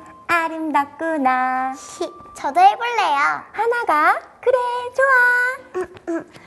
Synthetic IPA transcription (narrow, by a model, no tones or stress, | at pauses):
aɾɯmdak͈ɯnait͡ɕʌdoebuɭːejohanaɡakɯɾet͡ɕoa